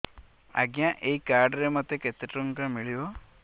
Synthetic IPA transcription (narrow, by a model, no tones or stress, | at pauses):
a̰ɡjãʔeikaɾɖɾemɔt̪ːeket̪eʈɾuŋkamiɭiʋo